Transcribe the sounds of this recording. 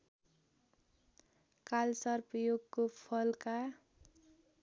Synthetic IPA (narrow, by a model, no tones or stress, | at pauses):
kalsʌrpjoɡkopʰʌlka